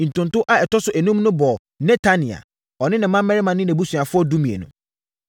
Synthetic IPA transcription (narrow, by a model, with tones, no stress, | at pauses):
n̩˨tʊ̃˨n˨tʊ˦ʔa˦ɛ˨tɔ˦sʊ˨ʔæ˨nũ˦m˦nʊ̃˦bɔ˨ | nɛ̃˦tʰa˦nĩ˨a̰˨ | ɔ˨nɪ̃˦nɪ̃˨˦mã˦m̩˦ɛ˦ɾɪ˦mã˨nɪ̃˦næ̃˨bu˦su˨a˨fʊ˦ɔ˦du˦mĩ˨ḛ˨nʊ̰̃˨